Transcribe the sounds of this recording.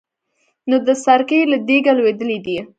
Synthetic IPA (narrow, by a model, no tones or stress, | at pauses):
nod̪əsaɾkəjlad̪eɡalwed̪əlid̪i